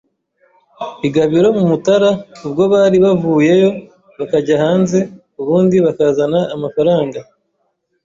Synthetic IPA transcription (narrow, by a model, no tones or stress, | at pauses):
iɡaβiɾo̞mumutaɾaub̚ɡo̞βaɾiβavuːje̞jo̞ | βakaɟahaːnze̞ | uβuːndiβakazanaːmafaɾaːŋɡa